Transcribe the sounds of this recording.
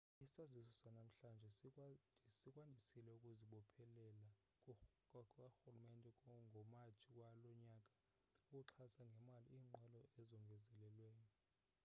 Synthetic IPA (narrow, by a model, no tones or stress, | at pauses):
isazisɔsanam̩ɬand͡ʒʱɛ | sikʼwandʱisilɛukʼuziɓɔpʰɛlɛla | kaxulumɛntʼɛkʼɔŋɡʱɔmat͡ʃʰʼik̬ʼwalɔɲakʼḁ | ukʼuǁʰasaŋɡʱɛmaliiːŋ͡ǃɛlɔɛzɔŋɡʱɛzɛlɛlwɛːni